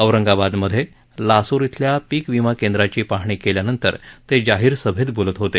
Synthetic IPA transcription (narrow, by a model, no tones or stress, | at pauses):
əʋɾəŋɡabad̪məd̪ʱːje | lasoɾit̪ʰljapiːkʋimakẽnd̪ɾat͡ɕiːpaɦɳiːkeljanənt̪ə̰ɾt̪ed͡ʑaɦiːɾsəbʱed̪bolət̪ɦot̪e